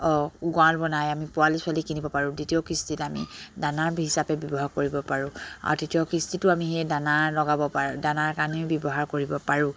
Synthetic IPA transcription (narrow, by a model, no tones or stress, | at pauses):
ɔɡɔalbɔnajamipʊalisʊalikinibɔpaɹʊ̃ditijɔkistitamḭdanaɹbʱiɦisapɛbjɔbɔɦaɹkoɹibɔpaɹʊ̃a̰ɹtetijɔkistitʊamiɦejdanaɹlɔɡabɔpadanaɹkanɛbjɔbɔɦaɹkoɹibɔpaɹũ